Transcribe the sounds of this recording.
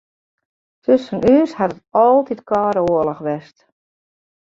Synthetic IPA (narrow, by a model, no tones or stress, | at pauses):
tʰøsənʔyːshatətɔlˠtitkɔːɾoələxʋɛst